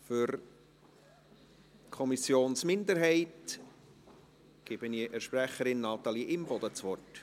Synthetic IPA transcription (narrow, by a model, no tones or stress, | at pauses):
fʏɾ | kʰɔmisjoːnsmɪnd̪əɾɦɛɪt | ɡ̥ɪb̥əniʔəʃpræχəɾɪnːɑt̪ɑliʔɪmbɔd̥̪ət͡sʋɔrt